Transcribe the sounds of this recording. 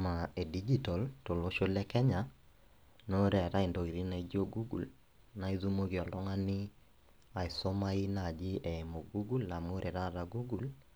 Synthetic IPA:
ma˨e˨di˦d͡ʒi˦tɔ˨lto˨lo˦ʃo˦lɛ˦kɛ˦ɲa˨ | no˦ɾɛ˨ɾa˦i˨ndo˨ɣi˨ɾi˦na˨i˦d͡ʒo˦ɡu˦ɡṵ˨l | na˦i˦ðu˦mo˦ki˨ɔ˨lɔ˦ŋa˦nɪ˦ | a˨i˨so˦ma˦i˦na˨d͡ʒɪ˦ʔɛ˨mo˨ɡu˦ɡu˦la˨mo˦ɾʔɛ˨ɾa˦˨ɾa˨ɡu˦ɡu˨l

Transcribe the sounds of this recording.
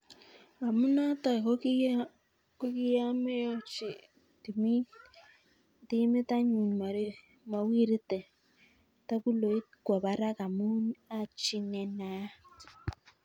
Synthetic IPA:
ka˨mu˦na˦ta˨k | ko˦ki˦ja˦me˦jɔ˦t͡ʃi˨ | ti˨mi˦ | ti˦me˦ta˦ɲu˨ma˨ɾi˦ | ma˨wi˦ɾi˦tɛ˨ | ta˦ku˦lo˨i˦tkwa˨βa˨ɾa˦ka˨mu˦na˦t͡ʃi˦ŋɛ˨na˦

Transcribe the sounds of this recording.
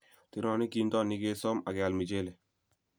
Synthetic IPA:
t̪i˨ɾɔ˨ni˦ki˨nt̪ɔ˦ni˦ɡeː˦sɔ˦ma˨ɡɛ˨a˨lmi˨d͡ʒe˦le˨

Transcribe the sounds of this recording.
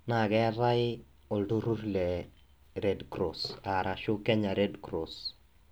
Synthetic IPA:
na˨ɡɛ˦ɾa˦ɪ˦ | ɔ˨ldo˦ɾu˦ɾlɛ˨ | ɾe˨dkɾo˨sa˨ɾʔa˨ʃʊ˦kɛ˦ɲa˨ɾe˦dkɾo˨s

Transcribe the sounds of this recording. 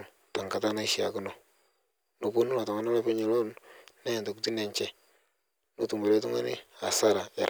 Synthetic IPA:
ta˨ŋka˨ta˦na˦i˦ʃi˨a˨kʊ˦no˨ | no˨ku˦nu˦la˨ta˨ŋa˦na˦lɛ˦pɪ˦ɲi˨lo˦nna˦˨nto˨ku˨ti˦ne˨ɲt͡ʃɛ˦ | no˦tu˨mo˨ɾe˦tu˦ŋa̰˦nɪ˦a˨sa˦ɾa˨a̰˨ɾ

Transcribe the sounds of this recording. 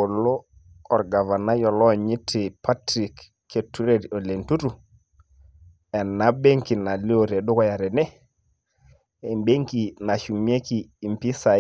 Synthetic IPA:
o˨lɔ˦ | ɔ˨ɾɡa˨va˨na˦jɔ˨lɔ˦˨ɲi˦tʰɪ˨pʰa˦tɾi˨kʰː | e˨tu˦ɾe˦˨ɾo˨le˨ntu˦ɾu˨ | ɛ˨na˦be˦ŋki˨na˨li˦o˦˨ɾe˨ɗʊ˦kɔ˦ja˨ɾɛ˨nɛ˦ | e˨mbe˦ŋki˨na˨ʃu˨ŋmi˦e˦kiː˨mpi˦sa˨

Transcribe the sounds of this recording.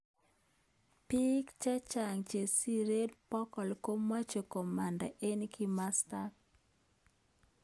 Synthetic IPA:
pi˦kt͡ʃɛ˦t͡ʃa˨ŋt͡ʃe˨si˦ɾe˦dpɔ˦kɔ˨lko˦ma˦t͡ʃo˨kɔ˨ma˨nda̰˨ʔe˦nkɪ˦ma˦sta˦k

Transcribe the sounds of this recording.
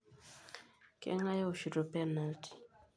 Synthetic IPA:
kɛ̰˦ŋa˦jɔ˦o˨ʃu˨to˨pɛ˦na˨ltʰi̥˨

